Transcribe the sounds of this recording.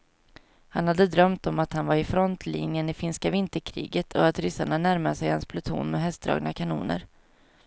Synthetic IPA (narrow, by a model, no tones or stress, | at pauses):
hanhad̪ːəd̪ɾœmt̪ɔmat̪hanvaɾɪfɾɔnt̪ʰlḭːnjənɪfɪnskavɪnt̪əɾkʰɾḭːɡət̪ʰɔat̪ɾʏsaɳanæɾmaʂɛjhanspʰlʊt̪ʰṵːnmɛɦɛst̪̚d̪ɾɑ̰ːɡnakʰanṵːnə̰ɾ